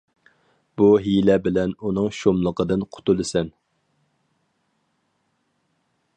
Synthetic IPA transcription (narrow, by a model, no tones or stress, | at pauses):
b̥uɦilɛbɪlɛnunɨŋʃomlˠəqəd̪ɨnqʰʊ̥t̪ulˠɨsɛn